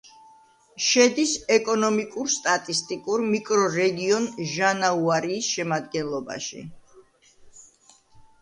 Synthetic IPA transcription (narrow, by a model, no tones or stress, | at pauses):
ʃɛd̪isɛkʼɔnɔmikʼuɾst̪ʼat̪ʼist̪ʼikʼuɾmikʼɾɔɾɛɡiɔnʒanauaɾiːsʃɛmad̪ɡɛnlˠɔba̰ʃḭ